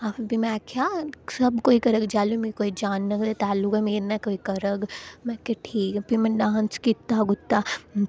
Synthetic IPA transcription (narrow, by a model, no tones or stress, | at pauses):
abimɛ̃kʰjaːsɐbkoːikɐɾəɡd͡ʒaːlumkikoːid͡ʒaːnːɐkd̪et̪aːlːʊkɛmeːɾnakoːikɐɾəɡmɛ̃kːeʈʰiːkpimɐ̃ɖãːnskit̪ːaɡʊt̪ːa